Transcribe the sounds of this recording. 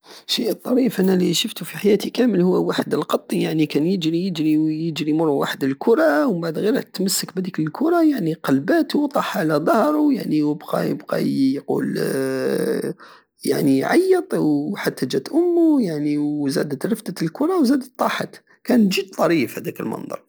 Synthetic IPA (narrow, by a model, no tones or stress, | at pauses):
ʃiʔt̪ˤːɑɾifʔænæliʃʊft̪ufiħajæːt̪ikæməlhʊwːwaħəd̪əlqɑt̪ˤːijaʕnikænjəd͡ʒɾijəd͡ʒɾijəd͡ʒɾimʊrˤːuwa̰ħəd̪əlkʰʊɾˤɑwbaʕd̪ɣiɾæt̪məsːəkbæd̪ikləlkʰʊɾˤɑjaʕniqɑlbæt̪wt̪ˤɑħʕlæd̪ˤɑhɾˤujaʕniwəbqɑ̰jə̰bqɑ̰jqṵːl | ja̰ʕniʕɑ̰jːət̪ˤwħat̪ːæd͡ʒæt̪ʔʊmːujaʕniwzæ̰d̪ət̪ɾəfd̪ət̪lkʊɾˤɑwzæd̪ətt̪ˤːɑħɑ̰t̪ | kænʒəd̪̚t̪ˤɑɾifhæd̪ækə̰lmɑ̰nd̪ˤɑ̰ɾˤ